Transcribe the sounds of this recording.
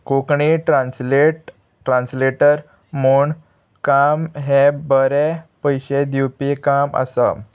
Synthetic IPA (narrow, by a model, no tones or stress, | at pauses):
kokɳiʈɾansleʈ | ʈɾãnsleʈəɾ | muːɳ | kamɦebəɾepəjɕed̪uwpikamə̰sə̰